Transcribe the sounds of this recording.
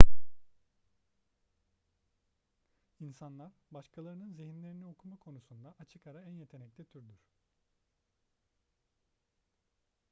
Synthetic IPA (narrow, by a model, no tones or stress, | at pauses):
insanlˠaɾbaʃkʰalˠaɾɯnɯnziɦinlʲe̞ɾinio̞kʰumakʰo̞nusund̪aʔat͡ʃʰɯkaɾaænje̞t̪ʰe̞nɛclʲit̪ʰyɾd̪yɾ̥